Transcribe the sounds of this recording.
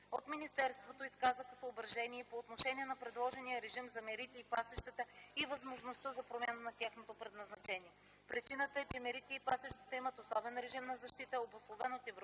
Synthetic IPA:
ot̪minist̪ɛɾst̪vot̪oiskazəxə̥səobɾɐʒɛniɛpoːt̪noʃɛniɛnɐpɾɛd̪lˠɔʒɛnijəɾɛʒimzɐmɛɾit̪ɛipasɛʃt̪ɛt̪əivɐzmoʒnost̪əzɐpɾomʲanənɐt̪ʲjaxnot̪opɾɛd̪nɐznɐt͡ʃɛniɛ | pɾit͡ʃinət̪əɛt͡ʃɛmɛɾit̪ɛːpasɛʃt̪ɛ̥t̪əimət̪osɔbɛnɾɛʒimnɐzɐʃt̪it̪əobʊslˠovɛnot̪ɛvɾ

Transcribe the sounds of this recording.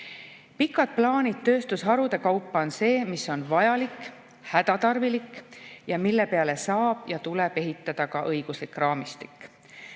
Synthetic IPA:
pikːˑɑd̪̥̚plɑːnʲit̪̚ːø̞ːst̪usɦɑɾud̪̥e̞kɑwpːˑɑo̞nse̞ːmiso̞nvɑjɑlik | hæd̪̥ɑt̪ɑrvilikˑjɑmilːe̞pe̞ɑle̞sɑːb̥jɑt̪ule̞b̥e̞ɦit̪ˑːɑd̪̥ɑkɑʔɤjɡ̥uslikːˑrɑːmist̪i̥kːˑ

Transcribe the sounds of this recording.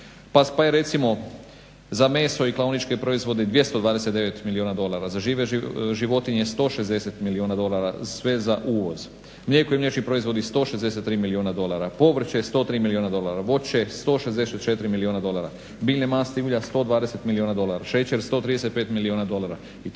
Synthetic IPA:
papajeɾe̞t̪simo̞ | zame̞so̞iklˠaunit͡ʃke̞pɾo̞izʋo̞d̪ed̪ʋje̞st̪o̞d̪ʋaːd̪e̞set̪d̪eʋe̞t̪milioːnad̪o̞laɾazaʒiːʋe̞ʒiʋo̞t̪iɲest̪o̞ːʃe̞zd̪ese̞t̪milionad̪o̞laɾasʋe̞zaʔuːʋo̞z | mʎekojemʎet͡ʃnipɾo̞izʋo̞d̪ist̪o̞ːʃezd̪e̞set̪ːɾiːmilionad̪o̞laɾapo̞ʋr̩t͡ɕeest̪o̞ːt̪ɾiːmilioːnad̪olˠaɾaʋo̞t͡ɕest̪o̞ːʃe̞zd̪ese̞t̪t͡ʃet̪iɾimilionad̪o̞lˠaɾa̰ | biːlnemaːst̪euːʎast̪o̞ːd̪ʋaːd̪e̞se̞t̪milioːnad̪o̞lˠaɾaʃet͡ɕeɾst̪o̞ːt̪ɾid̪eset̪̚pet̪milionad̪o̞laɾa | i

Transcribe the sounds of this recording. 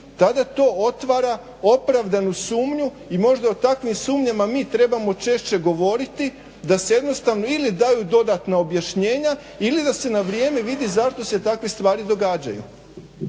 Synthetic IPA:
t̪ad̪at̪o̞ːot̪ʋaɾa | o̞pɾaʋd̪anusuːmɲu | imo̞ʒd̪aot̪akʋimsuːmɲamamiːt̪ɾe̞bamo̞t͡ʃe̞ʃt͡ɕe̞ɡo̞ʋo̞ɾit̪i | d̪aseje̞d̪no̞st̪aʋno̞ilid̪ajud̪o̞d̪at̪nao̞bjaʃɲeːɲa | ilid̪ase̞naʋɾje̞ːmeʋid̪izaʃt̪o̞se̞t̪akʋest̪ʋaːɾid̪o̞ɡaːd͡ʑa̰jṵ

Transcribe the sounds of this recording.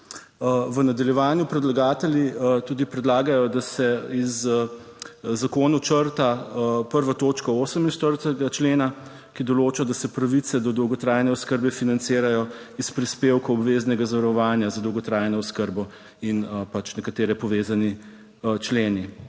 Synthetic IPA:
ʋənad̪ɐljɛʋaːnjupɾɛd̪laɡaːt̪ɛlʲjit̪uːd̪ipɾɛd̪laːɡajɔd̪asɛiz | zakoːnut͡ʃəɾt̪apəɾʋat̪oːt͡ʃkɔoːsəminʃt̪əɾt̪ɛɡat͡ʃleːna | kid̪ɔloːt͡ʃad̪asɛpɾɐʋit̪sɛd̪ɔd̪ɔwɡɔt̪ɾaːjnɛɔskəɾbɛfinant̪sɪːɾajɔispɾispeːwkɐɔbʋeznɛɡazaʋɐɾɔʋaːnjazad̪ɔwɡɔt̪ɾaːjnɔɔskəɾbɔ | inpat͡ʃnɛkat̪eːɾɛpɔʋeːzani | t͡ʃleːni

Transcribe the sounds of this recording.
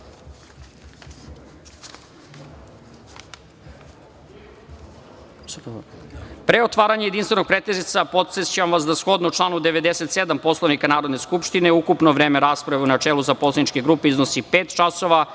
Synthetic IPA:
pɾe̞ot̪ʋaːɾaɲejed̪inst̪enoɡ̚pɾet̪ezit̪sapo̞t̪sest͡ɕeamʋasd̪asxo̞d̪nuut͡ʃlˠaːnud̪eʋe̞d̪e̞se̞t̪se̞d̪ampo̞slˠoʋnikanaːɾod̪neskupʃt̪ine̞ukupnoʋɾeːmeɾaːspɾaʋeunat͡ʂeːlˠuzapo̞slˠeit͡ʃkeɡɾuːpeiznosipeːt̪t͡ʃaso̞ʋa

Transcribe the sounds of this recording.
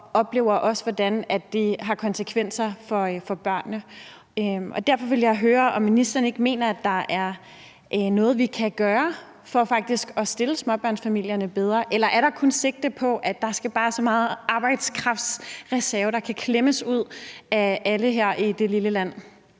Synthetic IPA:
ɒ̽b̥le̝ːʊ̰ɐʔɒ̽sʋɒd̥ænæd̥ːeɦɑ̈kʰɒ̽nsəkʰʋen̰sɐfɒ̽fɒ̽b̥ɶɐ̰nːə | øʔɒ̽d̥æɐ̰fɒ̽ʋe̝ljɑ̈ɪɦøːɐɒ̽mːinisd̥ɐn̩e̝ɡ̥me̝̰ːnɐæd̥ɑ̈ʔæɐ | ʔnɔ̽ːð̞̩ˠʋikʰæɡ̥ɶːɐ | fɒ̽fɑ̈ɡ̥̚d̥isɡ̥ɒ̽sd̥e̝ləsmɒ̽b̥ɶɐ̰nsfæmil̰jɐnəb̥eð̞ˠʁɐʔelɐʔæɐɾ̥ɑ̈kʰɔ̽nse̝ɡ̥̚d̥əpʰɒ̽ʔæ̥d̥ɑ̈sɡ̥æb̥ɑ̈ːsɒ̽mɑ̈ːð̩ˠʔɑ̈ːb̥ɑ̈ɪ̰d̥skʰʁɑ̈fd̥sʁɛsæɐəd̥ɑ̈kʰækʰleməsuð̞̰ˠææləɦæɐ̰ʔid̥e̝liləlæn̰

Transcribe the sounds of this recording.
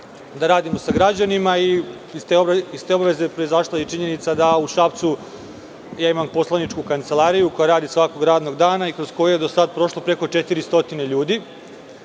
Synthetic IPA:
d̪aɾaːd̪imo̞saɡɾad͡ʑanimai | t̪eist̪e̞baʋe̞ze̞pɾo̞izaʃlˠait͡ʃiɲe̞nit̪sad̪auʃapt̪su | jaːimampo̞slˠanit͡ʂkukant̪se̞lˠaːɾijuko̞jaɾaːd̪isʋako̞ɡɾaːd̪no̞ɡd̪aːnaikɾo̞z̥ko̞jujed̪o̞sad̪̚pɾo̞ʃlˠopɾe̞ko̞t͡ʃe̞t̪iɾist̪o̞t̪ineʎuːd̪i

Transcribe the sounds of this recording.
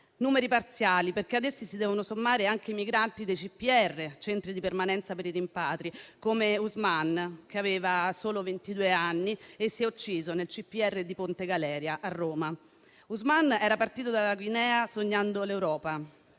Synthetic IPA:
nuːmeɾipart̪sjaːliperk̟ead̪esːisid̪ɛːvonosomːaːɾeaŋk̟eimiɡɾant̪id̪ejt͡ʃipːiɛrːet͡ʃɛnt̪ɾid̪ipermanɛnt̪sapeɾirimpaːt̪ɾikomeuzmank̟eaveːvasoːlovent̪id̪uːeanːiesːjɛut͡ʃːiːzonelt͡ʃipːiɛrːed̪ipont̪eɡalɛːɾjaʔarːoːma | uzmanɛːɾapart̪iːt̪̬od̪alaɡwinɛːasoɲːand̪olewɾɔːpa

